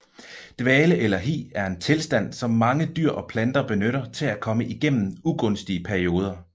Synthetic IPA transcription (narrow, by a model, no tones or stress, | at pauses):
d̥ʋɛːləʔelɐɦḭːæɐe̝nt͡sʰe̝lsd̥æn̰sɒ̽mːɑ̈ŋəd̥yɐ̰ʔɒ̽pʰlænd̥ɐb̥e̝nøɾɐt͡sʰe̝lækʰɒ̽məʔiɡ̥en̰n̩uɡ̥ɔ̽nsd̥iəpʰæɐio̝ːð̞ˠɐ